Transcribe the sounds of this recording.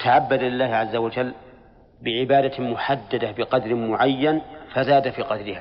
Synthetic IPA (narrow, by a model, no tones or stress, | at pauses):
t̪ʰaʕabːad̪lɪlːaːhʕazːawad͡ʒalː | bɪʕɪbaːd̪amʊħad̪ːad̪abɪqɑd̪ɾmʊʕajːanfazaːd̪afiqɑd̪ɾɪha